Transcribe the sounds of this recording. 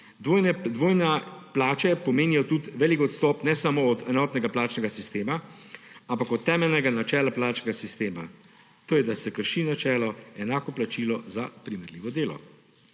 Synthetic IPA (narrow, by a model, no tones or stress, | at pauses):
d̪ʋoːjnɛd̪ʋoːjnɛplaːt͡ʃɛpɔmeːnijɔt̪ut̪ʋɛːlikɔt̪st̪ɔːpnɛsamoɔt̪ɛnɔːt̪nɛɡaplaːt͡ʃnɛɡasist̪eːma | ampakɔt̪ːɛːmɛlnɛɡanat͡ʃɛːlaplaːt͡ʃnɛɡasist̪eːma̰ | t̪oːjɛd̪asɛkəɾʃinat͡ʃɛːlɔɛnaːkɔplat͡ʃiːlɔzapɾimɛɾliːʋɔd̪eːlɔ̰